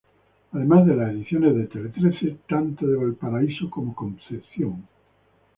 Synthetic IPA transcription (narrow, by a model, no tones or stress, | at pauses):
aðe̞mazðelaseðiθjonezðet̪elet̪ɾeθet̪ant̪oðeβoelpaɾaisokomokõmθeθjoŋ